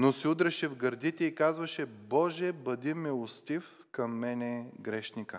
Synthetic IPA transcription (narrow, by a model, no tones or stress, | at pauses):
nosiud̪ɾɛʃɛvɡɐɾd̪it̪ɛikazvɐʃɛbɔʒɛbɐd̪imɛʊst̪if | kɐmːɛnɛɡɾɛʃnikə